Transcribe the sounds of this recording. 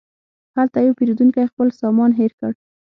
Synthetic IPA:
halt̪ajawpeɾid̪uŋkajxpəlsɑmɑnɦeɾkəɽ

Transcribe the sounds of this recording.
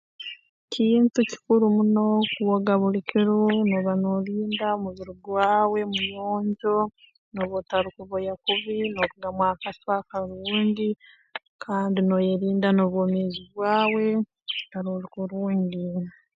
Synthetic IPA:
cʰiːntuci̥kuɾumuno̞kuwoɡaβulikiɾunoβanoliːndamuβiɾuɡwaːwe̞mujoːɲɟo̞ | noβotaɾukuβojakuβinokuɡamwaːkaswakaɾuːɲɟi | kʰaːndino̞jeɾiːndanoːβwoːmeːziβwaːwe̞ | taɾolikuɾuːɲɟi

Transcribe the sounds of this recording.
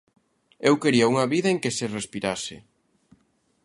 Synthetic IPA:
ewkeɾiauŋɐβiðɐeŋkɪsɪrespiɾasɪ̰

